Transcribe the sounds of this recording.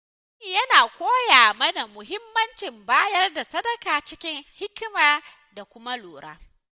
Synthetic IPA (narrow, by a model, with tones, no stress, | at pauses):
jɐ˦naː˨kʷoː˦jaː˨mɐ˦na˨mʊ˨ɦɪ˦mːɐ˦nt͡ʃɪ˨mbaː˦jɐ˦rda˨sɐ˦dɐ˦kaː˨t͡ʃɪ˦kʲɪ˦ŋhɪ˦kʲmaː˨ | da˨kʷʊ˦ma˦loː˨ɽa̰ː˦